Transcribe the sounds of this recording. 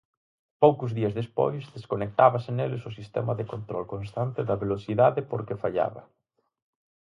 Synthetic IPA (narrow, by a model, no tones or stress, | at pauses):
powkʊzðiɐzðespo̰jzðeskonek̚t̪aβɐsɪnelɪsʊsist̪ɛ̰mɐðekont̪ɾɔlkonst̪ant̪ɪðɐβelosiðaðɪpoɾkɪfaʎa̰βɐ̰